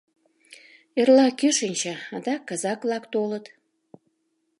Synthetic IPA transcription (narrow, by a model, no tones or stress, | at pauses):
erlɑkeʃənʲt͡ɕɑɑd̪ɑkːɑzɑkβlɑkt̪olət̪